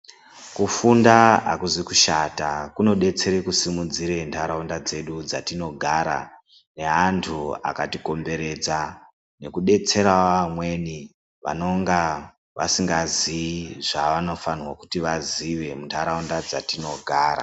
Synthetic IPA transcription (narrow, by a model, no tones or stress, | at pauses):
kufundaa̰kuzikuʃatakuno̞ɗe̞t͡se̞ɾekusimud͡ziɾe̞ntʰaɾaundad͡ze̞ɗud͡zatino̞ɡʱaɾa̰ | ne̞antʰua̰katiko̞mbe̞ɾe̞d͡za | ne̞kuɗe̞t͡se̞ɾaamwe̞ni | ʋa̰no̞ŋɡa | ʋa̰siŋɡaziʐaʋano̞fanwaku̥tiʋaziʋe̞muntʰaɾaundad͡zatino̞ɡʱaːɾa̰